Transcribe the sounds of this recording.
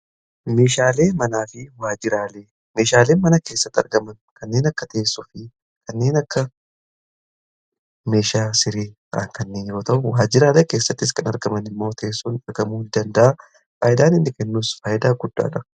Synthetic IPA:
me̞ːʃaːle̞ːmɐnaːfɪwaːd͡ʒɪɾaːle̞ː | me̞ːʃaːle̞ːnmɐnɐke̞ːsːɐt̪ːɐ̰ɾɡɐmɐnkɐnːe̞ːnɐkːɐt̪ɐɛsːʊfɪ | kʰɐnːe̞ːnɐkːɐ | me̞ːʃaːsɪɾiː | a̰ːŋkɐnːeːnjo̞ːt̪ɐʔʊwaːd͡ʒɪɾaːleːke̞ːsːɐt̪ːɪskɐnɐɾɡɐmɐnɪmːo̞ːt̪ʰɐesːunɐɾɡɐmuːd̪ɐnd̪ɐʔa | faːjɪd̪aːnɪnːɪkɛnːuːsfaːjɪd̪aːɡʊd̪ːa̰ːᶑɐ

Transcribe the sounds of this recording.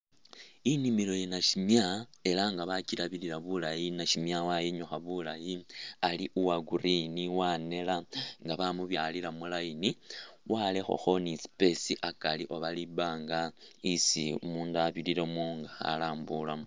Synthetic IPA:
inimilo̞jenaʃimjae̞laŋɡaβacilaβililaβulajinaʃimjawajiɲoxaβulajialiʔuwaɡuriniwane̞laŋɡaβamuβjalilamulajiniwalexo̞̰xo̞nispe̞siʔakaliʔo̞βalibaːŋɡaisḭumuːndaβililomoːŋɡaxa̰laːmbulam

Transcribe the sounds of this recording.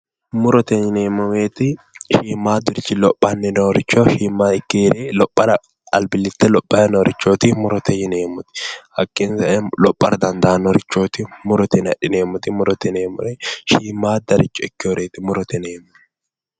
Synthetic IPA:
mʊɾɔt̪ɛɲɪneːmːʊmeːt̪ɪ | ʃiːmːaːd̪ʊɾɪt͡ʃːɪlɔpʼːɐnːɛnɐɔɾɪt͡ʃːɔʃiːmːaːɪkːeːɾʔeːlɔpʼːɐɾɐ | ɐlbɪlːɪt̪ːɛlɔpʼːɐɛnɔɾɪt͡ʃːoːt̪ɪmʊɾɔt̪ɛjɪneːmːʊt̪ɪ̥hɐkːɪnsɐʔɛlɔpʼːɐ̰ɾɐd̪ɐnd̪aːnːɔɔɾɪt͡ʃːoːt̪ɪmʊɾɔt̪ɛnɐᶑɪneːmːʊt̪ɪmʊɾɔt̪ɪneːmʊ̰eʃiːmːaːd̪ɐɾɪt͡ʃːɔɪkːɪɔɾeːt̪ɪmʊɾɔt̪ɛneːm

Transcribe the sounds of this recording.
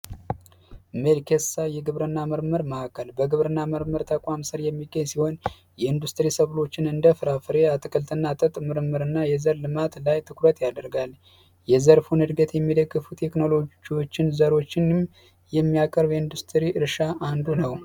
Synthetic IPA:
melkʰesajɛɡɨβɾɨnːaməɾməɾməakʰːəlbəɡɨβɾɨnːaməɾməɾt̪ʰəkʷʼwamsɨɾjɛmːiɡəɲsiho̞n | jɛɨnd̪ust̪ʼɨɾisəβlo̞t͡ʃːɪnɨnd̪əfɨɾafɨɾeat̪ʰɨkʰʼəlt̪ʰɨnːat̪ʼət̪ʼmɨɾɨmːɨɾɨnːajɛzəɾlɨmat̪lajt̪ʰɨkɾət̪jad̪əɾɡal | jɛzəɾfunɨd̪ɡət̪jɛmːid̪əɡːɨfut̪ʰe̞kno̞lo̞d͡ʒiwo̞t͡ʃːɪnzəɾo̞t͡ʃːɪnm | jɛmːijakʼəɾbjɛɨnd̪ust̪ʰɾiʔɨɾʃaʔand̪unəw

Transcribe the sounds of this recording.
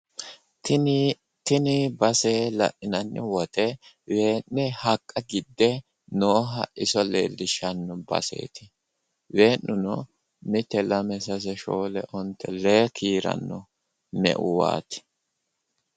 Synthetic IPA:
t̪ɪnɪbɐseːlɐ̰ʔɪnɐnːɪwɔt̪ɛ | weːnːɛhɐkʼːɐɡɪd̪ːɛ | noːɦɐ̰ɪsɔlḛːlːɪʃɐnːɔbɐ̰sḛːt̪ɪ | weːnːʊnɔ | mɪt̪ːɛlɐmɛsɐs̬ɛʃoːlɛʔɔnt̪ːɛleːkʰiːɾɐ̰nːɔ | mɛ̰ʔʊwa̰ːt̪ɪ̥

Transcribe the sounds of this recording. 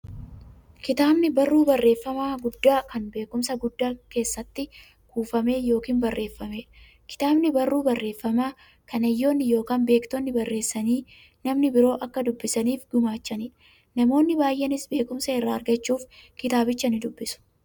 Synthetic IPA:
kɪt̪aːbnɪbɐrːuːbɐrːe̞ːfːɐmaːɡʊd̪ːaːkɐnbe̞ːkʊmsɐɡʊd̪ːaːke̞ːsːɐt̪ːɪ | kuːfɐme̞ːjo̞ːkiːnbɐrːe̞ːfːɐmeː | kɪ̥t̪aːbnɪbɐrːuːbɐrːe̞ːfːɐmaː | kɐnɛjːo̞ːnːɪjo̞ːkaːnbe̞ːkt̪onːɪbɐrːeːsːɐniː | nɐmnɪbɪɾo̞ːʔɐkːɐd̪ʊbːɪsɐniːfɡʊmaːt͡ʃːɐniː | nɐmo̞ːnːɪbaːjʔɛnɪsbe̞ːkʊmsɐɪrːaːɐɾɡɐt͡ʃːuːfkɪt̪aːbɪt͡ʃːɐnɪd̪ʊbːɪsʊ̥

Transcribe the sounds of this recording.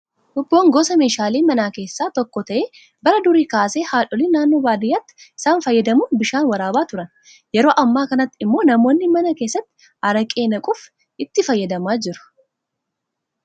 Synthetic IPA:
ʔʊbːo̞ːŋɡoːsɐme̞ːʃaːleːmɐnaːke̞ːsːaːt̪ɔkːɔt̪ɐʔeː | bɐɾɐd̪ʊɾiːkaːseːhaːᶑɔliːnaːnːo̞ːbaːd̪ɪjːaːt̪ːɪ̥ʔɪsaːnfɐjːɐd̪ɐmubɪʃaːnwɐɾaːbaːt̪ʊɾɐn | jɛɾo̞ːʔɐmːaːkɐnɐt̪ːɪɪmːo̞ːnɐmo̞ːnːɪmɐnɐkeːsːɐt̪ːɪ̥ | ʔɐɾɐkʼeːnɐkʼʊf | ɪt̪ːɪfɐjːɐd̪ɐmaːd͡ʒɪɾʊ̥

